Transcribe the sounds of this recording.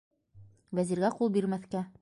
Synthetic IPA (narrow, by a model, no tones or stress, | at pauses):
væziɾɡæqulˠbiɾmæθkæ